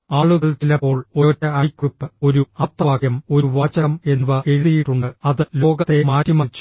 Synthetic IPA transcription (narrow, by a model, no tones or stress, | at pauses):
aːɭuɣɐɭt͡ɕilɐpːo̞ːɭotːɐɐjkrupːɨo̞ɾuɐt̪ːɐaːkjɐmo̞ɾuʋaːt͡ɕːɐɣɐme̞nːuʋɐʔe̞ɻiðijiʈːuɳɖɨɐðɨlo̞ːɡɐt̪ːe̞maːʈːimɐit͡ɕːu̥